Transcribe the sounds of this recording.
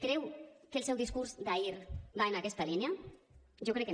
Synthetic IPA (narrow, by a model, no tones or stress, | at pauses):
kɾɛwkelˠsɛwðiskuɾzd̪aiɾbaenakɛst̪alinaʒokɾɛkːe